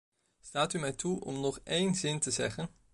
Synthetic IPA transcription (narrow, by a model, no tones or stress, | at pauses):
staːtymɛjtʰuʔɔ̰mnɔχejnzɪntəzɛχən